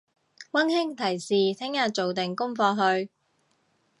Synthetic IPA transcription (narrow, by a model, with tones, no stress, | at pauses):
wɐ˥nhɪ˥ŋt̪ʰɐ˨˩jsiː˨t̪ʰɪ˥ŋjaː˧t͡so˨wt̪ɪ˨ŋkʊ˥ŋfɔː˧ɦɵ˧ɥ